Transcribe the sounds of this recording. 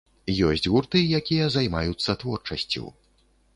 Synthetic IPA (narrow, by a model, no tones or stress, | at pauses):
jɔsʲt͡sʲɣurt̪ɨjakʲijɐzajmajut̪sːɐt̪vɔrt͡ʂɐsʲt͡sʲṵw